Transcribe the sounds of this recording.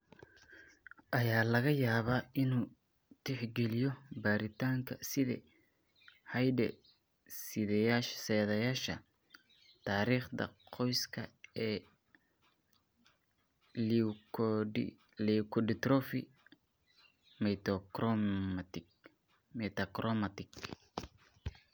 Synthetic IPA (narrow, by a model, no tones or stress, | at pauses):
ʔɐjaːlɐɣɐjaːβaːʔɪnuː | t̪ʰɪħɡɛlɪjɔbaːɾɪt̪ʰaːŋkʰɐsɪðɛ̰ | hɐjdɛ̰ | sɪðɛjaʃsɛːðɐjaːʃɐ | t̪ʰaːɾiːχd̪ɐ̰qʰɔjskʰɐɛː | likʰɔɖɪt̪ɾɔfɪ | mt̪ | mɛt̪ɐkɾɔmɐt̪ɪɡ